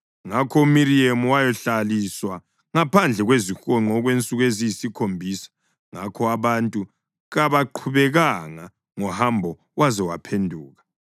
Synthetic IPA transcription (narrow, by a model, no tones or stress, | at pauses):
ŋakʰɔumiɾiemuwajɔɬaliswa | ŋapʰand͡ɮʱɛɣwezixɔŋ͡ǃʱɔɣwent͡sʼuɣezijisikʰombʱiːsḁ | ŋa̰kʰɔaβantʼu | ɣaβaǃʰuβɛɣaŋa | ŋɔhambʱɔ | wazɛwa̰pʰendʱuːɣa